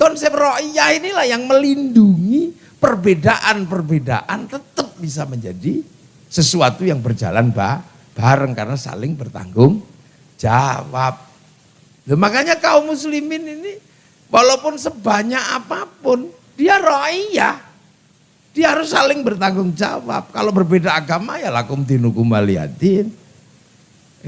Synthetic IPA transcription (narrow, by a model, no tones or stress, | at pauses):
t̪ɔnsɛroʔiahinilahjaŋməlinduŋi | pərbedaʔanpərbeda̰ʔant̪ət̪əp̚bisaməɲd͡ʒadi | səsuat̪ujaŋbərd͡ʒa̰la̰nba̰h | b̥aɾəŋkarənasa̰lɪŋbərt̪a̰ŋɡʊŋ | d͡ʒa̰wa̰p̚ | dəmakaɲakaumuslimɪnini | walawpʊnsəbaɲaʔapapʊn | d̥iaɾoijah | d̥iaɦaɾʊsːalɪŋbərt̪aŋɡʊŋd͡ʒa̰wa̰p̚kalobərbedaːɡamajalakʊmd̪inukumaliɦa̰t̪in